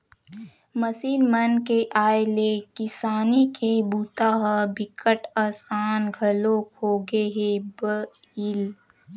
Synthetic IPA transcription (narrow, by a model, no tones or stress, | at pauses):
məsiːnmɐnkeʔaːelekɪsaːnikʰebuːt̪aːɦabɪkəʈaːsaːnɡʱɐloːkɦoːɡeɦebə | il